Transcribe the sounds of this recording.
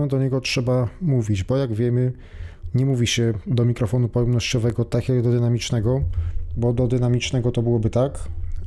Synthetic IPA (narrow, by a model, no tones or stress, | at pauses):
nɛd̪ɔɲɛɡɔtʂɛbamuvʲid͡ʑbɔjaɡvʲjɛmɘ | ɲɛmuvʲiɕɛd̪ɔmʲikɾɔfɔnupɔjɛmnɔɕt͡ɕɔvɛɡɔt̪akʲjaɡd̪ɔd̪ɘnamʲit͡ʂnɛɡɔbɔd̪ɔd̪ɘnamʲit͡ʂnɛɡɔt̪ɔbɘwɔbɘt̪ak